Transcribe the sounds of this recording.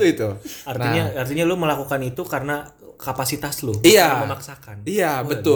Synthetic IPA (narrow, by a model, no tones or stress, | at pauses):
uit̪uart̪iɲaart̪iɲalʊməlakukanit̪ukarəna | kapasit̪aslʊhiaməmaksakanijabət̪ʊ